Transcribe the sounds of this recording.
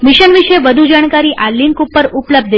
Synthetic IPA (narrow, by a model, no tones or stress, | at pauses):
miʃənʋiʃeʋəd̪ʱud͡ʒaɳ̃kaɾiʔalːinkupːəɾupləb̚d̪ʱ